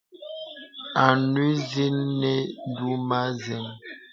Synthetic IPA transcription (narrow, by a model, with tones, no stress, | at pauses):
a˨nwi˦zi˦nːɛ˦n˦du˦ma˦zɛ˨ŋ